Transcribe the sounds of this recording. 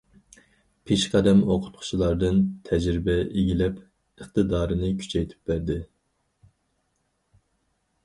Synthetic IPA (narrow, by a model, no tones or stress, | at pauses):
pʰeʃqʰæd̪ɛmoqʰʊ̥t̪̚qʰʊ̥t͡ʃʰlˠɑɾd̪ɨnt̪ʰɛd͡ʒɾɪbɛeɡʲilɛp | əχt̪ɨd̪ɑːɾɨnɨkʲʰy̥t͡ʃʰɛjt̪ʰy̥p̚bæɾd̪ɪ